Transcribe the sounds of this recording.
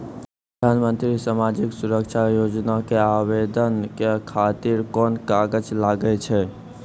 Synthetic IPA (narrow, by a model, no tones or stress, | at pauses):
ɾpəd̪ʱanmənt̪ɾisamad͡ʒiksuɾəkʃʰajod͡ʒnakeawed̪ənkekʰat̪iɾkɔnkaɡəd͡ʒlaɡət͡ʃʰɛ